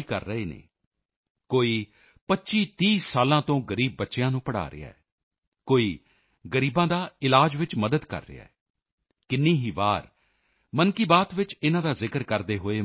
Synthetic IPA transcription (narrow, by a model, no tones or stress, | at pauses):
iːkə̰ɾːəɦeːnḛː | koːiː | pətːʃiːt̪iːsaːlãːt̪õːɡəɾiːb̚ːətːʃɪjãːnũːpəɽa̰ːɾɪ̰ja̰ːɛ | koːiː | ɡəɾiːbãːd̪aːɪlaːd͡ʒʋɪt͡ʃməd̪əd̪kə̰ɾːɪ̰a̰ːɛ | kɪnːiːɦiːbaːɾ | mənkiːbaːt̪ʋɪt͡ʃɪnãːd̪aːzɪkəɾkəɾd̪eːɦoːeː